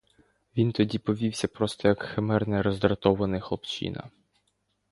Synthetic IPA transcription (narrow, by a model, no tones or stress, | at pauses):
ʋʲint̪ɔdʲipɔʋʲiwsʲɐpɾɔst̪ɔjɐkxemɛrnɛɾɔzd̪ɾɐt̪ɔʋɐnɪxlˠɔpt͡ʃḭnɐ̰